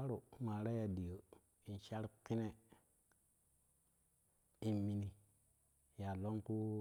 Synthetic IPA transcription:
a˦ɾu˨ma˨ɾa˦ja˨di˨jo˨ | i˨n˨ʃa˦ɾki˦ne˦ | i˨nmi˨ni˨ | ja˨lo˦ŋku˦

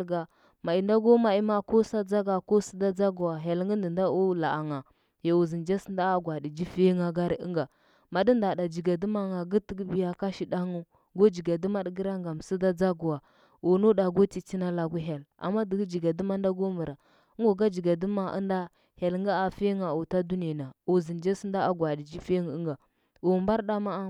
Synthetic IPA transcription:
ɡa˨ | ma˨i˨nda˦ɡo˦ma˨i˦ma˦ko˦sa˦d͡za˦ɡa˨ko˦si˦da˦d͡za˦ɡu˨wa˨ɦe˨lɡə˦ndi˨nda˦u˦la˨a˨ŋa˨ | ja˨u˨zi˨nd͡ʒa˦snda˦ɡʷa˨di˨d͡ʒi˦fi˦ŋa˨ɡa˦ɾə̰˦ŋɡa˨ | ma˨di˦nda˨da˨d͡ʒi˨ɡa˨du˦ma˦ŋa˨ɡə˦tə˦ɡə˦bi˦ja˦ka˦ʃi˨da˦ŋu˦ | ɡo˦d͡ʒi˨ɡa˨du˦ma˦ɗɡə˦ɾa˦ŋɡa˨m˨si˦da˦d͡za˦ɡu˨a˨ | u˨nu˦da˨ɡo˦ti˨t͡si˦na˦la˨ɡu˦ɦe˨la̰˨mːa˦di˨ɡd͡ʒi˨ɡa˨du˦ma˦nda˦ɡo˦mu˨ɾa˨˦ | o˨ɡa˦d͡ʒi˨ɡa˨du˦ma˦ʔa̰˦nda˦ | he˨lŋɡa˦a˨fe˦ŋa˨u˨ta˦du˦n˨a˨na˨u˨zi˨nd͡ʒa˦snda˦a˦ɡʷa˨di˨d͡ʒi˦fe˦ŋ˨u˦ŋɡa˨ | u˨mba˦ɾɗa˦ma˦

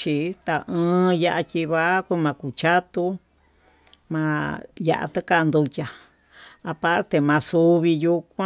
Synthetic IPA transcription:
t͡ʃi˧t̪a˧ʔɨ̃ː˧ja˧ʔa˧kʲi˧βa˦kʷu˧˦mã˧ku˨t͡ʃa˦t̪u˧ | mã˧ja̰˧ʔa̰˧t̪ɨ˦ka˦˧nd̪u˧tʲa˨ | a˧pa˦ɾt̪e˨mã˧su˧βi˧ju˧kʷã˦

